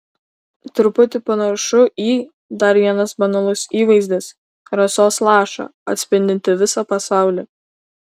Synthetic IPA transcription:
t̪ɾʊpʊt̪ʲɪpɐnɐʃʊʔiː | d̪ɐɾʋʲiɛnɐsbɐnɐlˠʊsiːʋɐɪzʲd̪ʲɪs | ɾɐsʲoːslˠɑːʃɑ̰ɐt̪ʲsʲpʲɪnʲd̪ʲɪnʲt̪ʲɪʋʲɪsɑpɐsɑˑʊlʲi

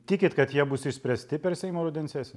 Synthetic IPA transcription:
t̪ʲɪkʲɪt̪kɐt̪jiɛbʊsɪʃʲsʲpʲɾʲɛsʲt̪ʲɪpʲɛɾsʲɛɪmoːɾod̪ʲɛnʲsʲæːsʲ

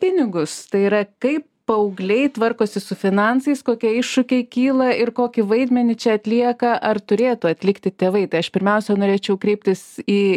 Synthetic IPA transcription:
pʲɪnʲɪɡʊst̪ɐɪiːɾɐkɐɪp | pɐʊɡlʲɛɪt̪ʋɐrkoːsʲɪsʊfʲɪnɑnt̪sɐɪskoːkʲiɛɪʃʃʊkʲɛɪkʲiːlˠɐɪrkoːkʲɪʋɐɪd̪ʲmʲɛnʲɪt͡ʃʲɛɐt̪ʲlʲiɛkɐʔɐrt̪ʊɾʲeːt̪ʊɐt̪ʲlʲɪkt̪ʲɪt̪ʲeːʋɐɪt̪ɐɪɐʃpʲɪɾʲmʲɛʊsʲɛnoːɾʲeːt͡ʃʲɛʊkɾʲɛɪp̚ʲt̪ʲɪsiː

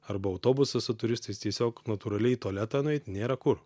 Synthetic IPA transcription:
ɐɾbɐɐʊt̪oːbʊsɐsʊt̪ʊɾʲɪst̪ɐɪst̪ʲiɛsʲoːknɐt̪uːɾɐlʲɛɪt̪oːlʲæt̪ɑːnʊɛɪt̪ʲnʲeːɾɐkʊɾ

